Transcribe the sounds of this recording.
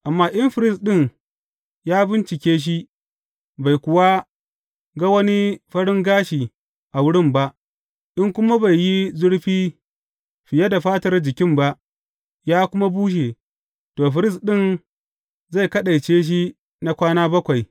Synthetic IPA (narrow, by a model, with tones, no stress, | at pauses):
ʔa˨mːaː˦ʔɪ˦mɸɪ˨ɾɪ˦˨sɗɪ˦˨ŋ | jaː˦bɪ˦nt͡ʃɪ˨kʲeː˦ʃ̬i˦ | ba˨jkʷʊ˨wa˦ | ɡa˦wɐ˦ni˦ɸɐ˦ɽɪ˦ŋɡaː˦ʃiː˨ | ʔa˨wʊ˦ɽɪ˦mba˦ʔ | ʔɪ˦ŋkʷʊ˦ma˦ba˨jːi˦zʊ˦ɽɸiː˦ | ɸɪ˨ja˦da˨ɸaː˦tɐ˦rd͡ʒɪ˨kʲɪ˦mba˦ʔ | jaː˦kʷʊ˦ma˦buː˦ʃ̬e˨ | toː˨ɸɪ˨ɾɪ˦˨s̬ɗɪ˦˨n | za˦˨jkɐ˦ɗa˨jt͡ʃeː˦ʃ̬i˦ | na˦kʷaː˦naː˦bɐ˦kʷa˨j